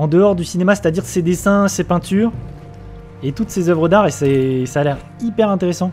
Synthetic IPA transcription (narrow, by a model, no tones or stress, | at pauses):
ɑ̃d̪əɔʁd̪ysinemase̥t̪ad̪iʁsed̪esɛ̃sepɛ̃t̪yːʁ | et̪ut̪sezœvʁəd̪aʁesɛsalɛʁ | ipɛʁɛ̃t̪eʁesɑ̃